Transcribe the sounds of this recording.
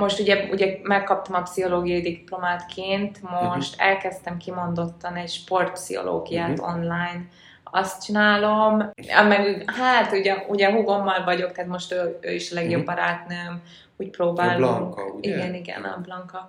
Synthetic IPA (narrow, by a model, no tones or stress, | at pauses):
mo̞ʃt̪uɟɛṵɟɛmɛkːɒp̚t̪ɒmɒpsiɦo̞loːɡijɒjid̪iplo̞maːt̪kʰeːnt̪mo̞ʃt̪ɛ̰lkɛst̪ɛmkimo̞nd̪o̞t̪ːɒnɛcʃpo̞rt̪̚psḭho̞̰lo̰ːɡijaːt̪o̞̰nlajn | ɒst̪t͡ʃinaːlo̞m̰mɛɡuhaːt̪uɟɛuɟɛɦuɡo̞mːɒlvɒɟo̞kt̪ɛɦat̪mo̞ʃt̪øø̰ːiʃɒlɛɡjo̞bːɒɾaːt̪nøːm | uːc̚proːbaːloŋiɡɛniɡɛ̰nɒ̰blɒŋkɒ